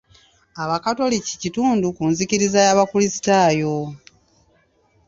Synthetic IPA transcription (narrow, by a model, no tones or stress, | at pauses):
aβakato̞lici̥cituːndukunziciɾizajaβafulisi̥taːjo̞